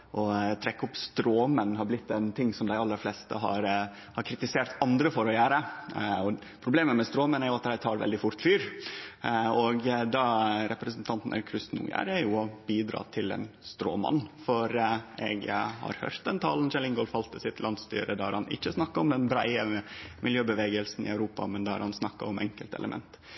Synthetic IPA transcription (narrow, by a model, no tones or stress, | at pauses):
ʔɔt̪ʰɾɛkːəʊpst̪ɾoːmənːhɑɾblɪt̪ːɛnt̪ʰɪŋːsɔmd̪æɪɑlːəɾflɛːst̪ə̰ɦɑ̰ɾ | hɑɾkʰɾɪt̪ɪseːɾt̪ɑnd̪ɾəfɔɾɔjæːɾəɔ | pʰɾʊbleːməmɛst̪ɾoːmənæɾjʊɑt̪d̪æɪt̪ʰɑːɾʋɛ̰ld̪ɪfʊɾt̪fyːɾ | ɔɡd̪ɑɾɛpɾəsənt̪ʰɑnt̪n̩ɛ̰kʰɾʏsnṵːjæ̰ɾæɾjʊɔbiːd̪ɾɑ̰ːt̪ʰɪlɛ̰nst̪ɾo̰ːmɑ̰nːfɔɾɛɡhɑ̰ɾhø̰ːɾt̪̚d̪ɛnt̪ʰɑ̰ːlənʃɛlɪŋɡɔlfɑlt̪ːəsɪt̪lɑnd̪st̪y̰ːɾəd̪ɑɑɾhɑnɪ̰çːəsnɑkːɑɔmd̪ɛnbɾæɪəmɪljøːbəʋeːɡəlsn̩ɪ̰æʉɾuːpɑ̰mɛnd̪ɑɑ̰ɾhɑnsnɑkːɑ̰ɔmɛŋkəlt̪ɛ̰ləmʔɛ̰nt̪